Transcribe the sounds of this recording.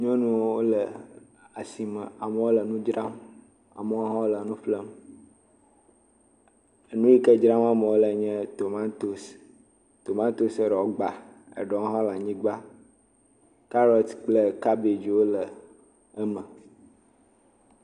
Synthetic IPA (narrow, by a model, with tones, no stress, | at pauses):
ɲ˦ɔ̃˦nũ˦wo˦wo˦lə˨ | a˨si˨mə̃˨a˨mə˨wo˦lə˨nũ˦d͡ʒɾa˦m | a̰˨mə˦wo˦ɦã˦wo˦lə˨nũ˦flə˦m˨ | nũ˦ji˦kə˦d͡ʒɾã˦ma˦mə˨wo˦lə˨ɲɛ̃˦t̪o˨mã˦t̪o˦s | t̪o˨mã˦t̪o˦se˨ɖɔ˨o˦ɡ͡ba˨ | ḛ˨ɖɔ˨ŋo˦ɦã˦la˨ɲĩ˦ɡ͡ba˦ | ka˦ɾɔ˨t̪k͡plə˦ka˦be˨d͡ʒi˨wo˦lə˨ | ɛ˦mə̃˨